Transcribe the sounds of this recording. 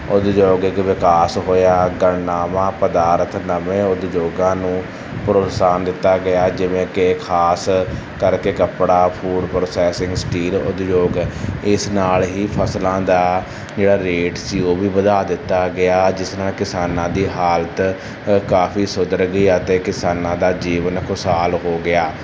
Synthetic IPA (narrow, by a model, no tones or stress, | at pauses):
ʊd̪d͡ʒoːɡɪkʋɪkaːsɦoːjaːɡəɳnaːmãːpəd̪aːɾət̪nəmẽːʊd̪d͡ʒoːɡãːnũː | pəɾoːsaːnd̪ɪt̪ːaːɡəɪaːd͡ʒɪʋẽːkekʰaːs | kəɾkeːkəpɽaːpʰuːɖpɾoːsɛːsɪ̃ŋɡsʈiːlʊ̰d̪d͡ʒoːɡɪsnaːlɦiːpʰəslãːd̪aː | d͡ʒeːɽaːɾeːʈsiːoːbiːbəd̪aːd̪ɪt̪ːaːɡɪaːd͡ʒɪsnaːlkɪsaːnãːd̪iːɦaːlət̪ | kaːpʰiːsʊd̪əɾɡiːət̪eːkɪsaːnãːd̪aːd͡ʒiːʋənkʰʊsaːlɦoːɡɪaː